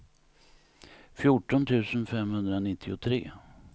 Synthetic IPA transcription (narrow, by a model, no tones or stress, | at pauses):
fjʊʈːɔnt̪ʰʉ̟ːsənfɛmhɵnd̪ɾanɪt̪ʰːɪʊt̪ʰɾḛː